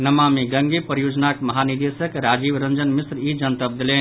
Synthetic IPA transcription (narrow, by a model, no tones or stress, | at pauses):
nɐmamiɡəŋɡepəɾjod͡ʒnakmɐɦaniɾd̪esəkɾad͡ʒibɾənd͡ʒənmisɾid͡ʒənt̪əp̚d̪ilen